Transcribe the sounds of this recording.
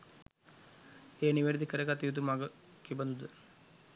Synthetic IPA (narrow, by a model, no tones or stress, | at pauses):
eːniʋeɾd̪ʱikːɐɾekat̪ːijud̪umaːɡɐ | kːibɐnd̪ud̪ɨ